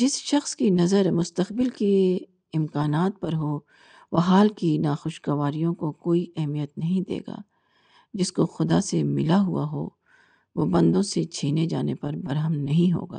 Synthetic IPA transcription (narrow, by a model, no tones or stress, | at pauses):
d͡ʒɪsʃɐxskinɐzəɾmʊst̪əqbɪlke | ɪmkaːnaːt̪̚pɐɾɦoː | ʋɐɦaːlkinaːxʊʃɡɐʋaːɾijõkokoːiɛɦmijət̪nɐɦĩd̪ḛːɡa̰ː | d͡ʒɪskoxʊd̪asemɪlaɦʊa̰ɦo̰ː | ʋoːbɐ̃nd̪õset͡ʃʰiːned͡ʒa̰ːnepɐɾbɐɾɦəmnɐɦĩɦo̰ːɡa̰ː